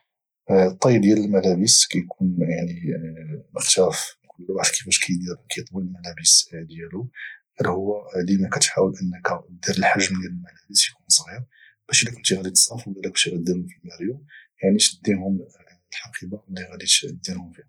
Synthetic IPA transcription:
t̪ˤːɑjəbd̪jæləlmælæbəskæjkʰunjaʕni | məxt̪æfkʊlːwaʕd̪kʰifæʃkʰæjd̪iɾkæjət̪ˤwilmælæbəsd̪jæluhæd̪hʊwːælimækæt̪ħawəlʔənːəkæd̪iɾəlħaʒmd̪jæləlmælæbəsjkunsˤɣiɾ | b̥æʃilækʊnt̪iɣæd̪it̪sˤɑfwbælæk̚t̪iɣæd̪ːəɾufilmæɾjujaʕnit̪əd̪ːinhʊm | lħɑqibɑlːiɣæd̪it̪d̪ːinhʊmfihæ

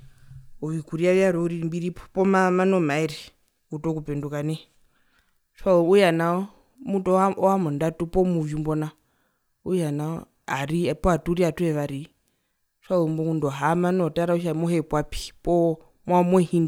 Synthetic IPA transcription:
uʋikuɾiaʋjaɾɔuɾimbiɾipɔpɔmamanɔmaiɾi | utɔkupɛndukanɛ | ʃwauujanaɔ | mutɔɔamɔndatupɔmuvumbɔna | ujanaɔ | aɾipɔatuɾiatuɛʋaɾi | ʃwaumbɔmundɔɦamanɔtaɾauʃ̬amɔɦɛpwapi̥pɔ | mwamwɔhin

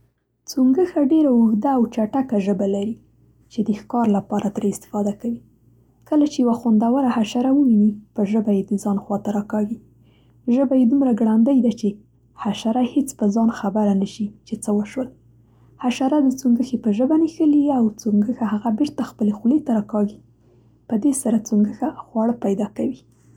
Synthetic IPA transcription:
t͡suŋɡəxaɖeɾaʊɣd̪aːwt͡ʃaʈakaʒəbalaɾi | t͡ʃed̪əxkɑɾlapɑɾat̪ɾeɪst̪ɪ̥fɑd̪akawi | kəlat͡ʃejawaxwand̪awəɾahaʃaɾawəwinipəʒəbajed̪əzɑnxwɑt̪aɾɑkɑwi | ʒəbajed̪umɾaɡɽand̪əjd̪at͡ʃe | haʃaɾahet͡spəzɑnxabaɾanəʃit͡ʃet͡səwəʃwəl | haʃaɾad̪ət͡suŋɡəxepəʒəbanixəliawt͡suŋɡəxahaɣabeɾt̪axpəlexlet̪aɾɑkɑɡi | pəd̪esaɾat͡suŋɡəxaxwɑɽəpajd̪ɑkawi

